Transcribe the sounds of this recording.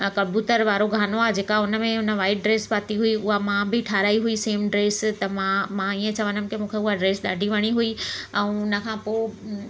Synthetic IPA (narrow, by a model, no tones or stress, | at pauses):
kɐbʱuːt̪əɾʋaːɾoɡʱaːnoaːed͡ʑeːkaʊnə̆mẽʊnə̆ʋaːɪʈ̚ɖɾeːsbaːt̪iɦuiʊɦamãbɪʈʰaːɾaːiɦuiseːmɖɾeːst̪ɐmãmãiə̃t͡ɕɐʋə̃nəm̆kɪmũːkʰeʊɦaɖɾeːsɗa̰ːɖʱiʋɐɽ̃iɦuiɛ̃ʊnə̆kʰãːpoː